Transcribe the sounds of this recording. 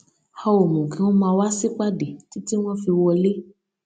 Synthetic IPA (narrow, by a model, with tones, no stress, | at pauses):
ha˧o˨mũ˨ɡĩ˨˦w̃ɔ̃˦mãː˧wa˦si˦k͡pa˦de˨ti˦ti˦w̃ɔ̃˦fi˧wɔ˧le˦